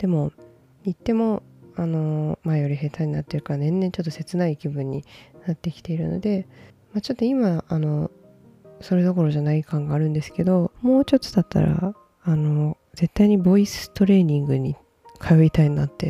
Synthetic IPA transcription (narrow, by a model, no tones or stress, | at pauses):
d̪̥e̞mo̞ | ɲit̪ːe̞mo̞ano̞maejo̞ɾʲiɦe̞t̪aiɲinat̪ːeɾɯ̟kanẽ̞nːeɲt͡ɕo̞t̪ːo̞se̞t͡sɨnaikʲibɯ̟̃ɲ̟ːinat̪ːe̞kʲi̥t̪e̞iɾɯ̟no̞̰d̪e̞ | mat͡ɕo̞t̪ːo̞imaano̞ | so̞ɾed̪o̞ko̞ɾo̞ʑanaikãŋɡaːɾɯ̟̃nd̪e̞sɨ̥ke̞d̪o̞mo̞ːt͡ɕo̞t̪ɨ̥d̪at̪ːa̰ɾa̰ | ano̞ | ze̞t̪ːaiɲ̟ibo̞isɨ̥t̪o̞ɾe̞ːɲ̟ĩŋɡɯ̟ɲ̟i | kʰajo̞it̪aiɲinat̪ːe̞